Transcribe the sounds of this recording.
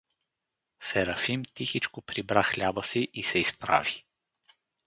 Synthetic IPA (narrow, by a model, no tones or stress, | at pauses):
sɛɾɐfimt̪ixit͡ʃkopɾibɾaxlʲabəsiʔisɛispɾa̰vi̥